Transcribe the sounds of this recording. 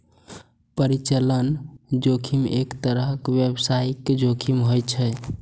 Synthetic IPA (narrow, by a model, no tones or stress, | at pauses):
pəɾit͡ʃələnd͡ʒokʰimekt̪əɾəɦkbjebsajked͡ʒokʰimɦojt͡ʃʰɛ